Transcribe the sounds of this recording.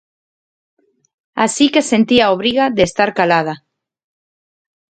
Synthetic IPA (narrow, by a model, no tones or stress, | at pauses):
asikesent̪iaoβ̞ɾiɣaðest̪aɾkalaða